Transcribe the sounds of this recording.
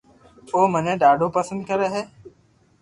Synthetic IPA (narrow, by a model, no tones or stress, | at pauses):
oːməɲẽːɗaːɖʱoːpəsə̃nd̪̚kəɾeɦeː